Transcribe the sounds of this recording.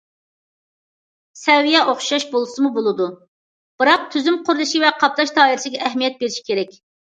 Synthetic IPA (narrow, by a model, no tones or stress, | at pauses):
sɛvijɛʔoχʃɑʃbolˠɨsɨmubolˠɨd̪u | b̥ɨɾɑq̚t̪ʰyzymqʰʊɾd̪ɨʃivɛqʰɑp̚t̪ɑʃt̪ʰɑːiɾɪsɪɡʲɛʔːɦmijɛt̪̚beɾɪʃi̥kʲʰeɾɛkʲ